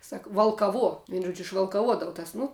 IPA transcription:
ˈsɐk ʋɐlˠkɐˈʋuɔ ˈʋʲiɛn ˈʒuɔd͡ʒʲʊ ɪʃʋɐlˠkɐˈʋuɔdɐʋʊ tɐs ˈnʊ

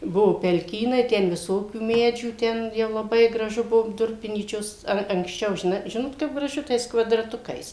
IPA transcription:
ˈbʊʋoː pʲɛlʲˈkʲiːnɐɪ ˈtʲɛn ʋʲɪˈsoːkʲuː ˈmʲæːd͡ʒʲuː ˈtʲɛn jɛʊ lˠɐˈbɐɪ ɡrɐˈʒʊ ˈbʊʋoː ˈdʊrʲpʲɪnʲiːt͡ʃʲoːs ˈɐr ɐŋksʲˈt͡ʃʲɛʊ ʒʲɪˈnɐɪ ˈʒʲɪnoːt kɐɪp ɡrɐˈʒʊ tɐɪs kʋɐdrɐˈtʊkɐɪs

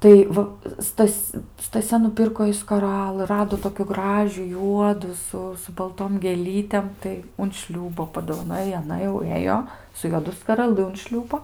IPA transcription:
ˈtɐɪ ʋɐ ˈstɐsʲ stɐˈsʲɛ nʊˈpʲɪrkoː jɛɪ skɐˈrɑːlˠɨ ˈrɑːdoː toːkʲʊ ˈɡrɑːʒʲuː ˈjuɔduː sʊ sʊ bɐlˠˈtoːm ɡʲeːˈlʲiːtʲeːm tɐɪ ʊn ˈʃʲlʲuːboː pɐdoːʋɐˈnoːj ɪ ɐˈnɐ jɛʊ ˈeːjoː sʊ juɔˈdʊ skɐrɐˈlˠɨ ʊn ˈʃʲlʲuːboː

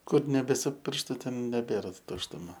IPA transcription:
ˈkʊr nʲɛˈbʲæːsʲɪ ˈpʲɪrʃtʊ ˈtʲɛn nʲɛˈbʲeːrɐ tʊʃtʊˈmɐ

